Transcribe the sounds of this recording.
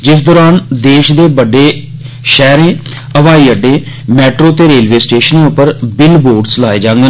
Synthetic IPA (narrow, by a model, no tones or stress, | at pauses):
d͡ʒɪs̬d̪ɔːɾaːnd̪eːʃd̪eːbəɖeː | ʃɛːɾẽː | əʋaːiːəɖẽː | mɛːʈɾoːt̪eːɾeːlʋeːsʈeːʃənẽːʊpːəɾbɪlboːɖslaːeːd͡ʒãːŋɡə